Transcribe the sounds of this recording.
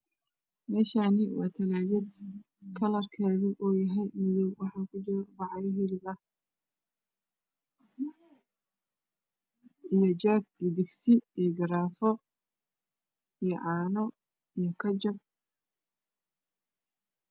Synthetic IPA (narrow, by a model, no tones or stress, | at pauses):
mɛːʃaːnɪwɑ̰ːt̪ʰɐlaːβɛd̪ | kʰɐlɐrkʰaːðiʔɔːjɐɦɛjmɪðɔwwɑħɑːkʰʊt͡ʃɪɾbɑʕɑjɔɦɪlɪbɐh | ʔijɔt͡ʃaːɡd̪ɪɡsɪijɡɐɾaːfɔ | ijɔʕɑːnɔ | ijɔkʰɐt͡ʃɐb̚